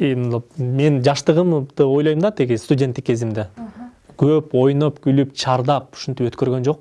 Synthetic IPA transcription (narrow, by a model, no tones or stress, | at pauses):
eme̞nd͡ʒɑʃt̪ɯʁɯmd̪ɯo̞jlˠojumd̪ɑt̪iɡʲist̪udʲe̞nt̪ːikːe̞zimd̪e | kʰøpo̞jnopɡylypt͡ʃʰɑɾd̪ɑp̚u̥ʃunt̪ipø̞t̪kø̞ɾɡønd͡ʒo̞q̚